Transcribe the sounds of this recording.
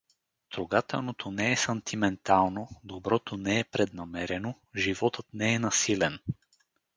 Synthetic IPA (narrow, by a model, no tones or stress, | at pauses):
t̪ɾoɡat̪ɛ̰lˠnot̪ʰonɛɛsɐnt̪ʰimɛnt̪alˠnod̪obɾɔt̪onɛːpɾɛd̪namɛɾɛno | ʒivɔt̪ət̪nɛɛnasilɛn